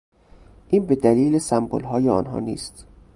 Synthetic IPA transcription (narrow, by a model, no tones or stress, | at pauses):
ʔiːnbe̞d̪æliːlesæmbo̰lɦɒːjeɒ̰ːnɦɒ̰ːnḭːst̪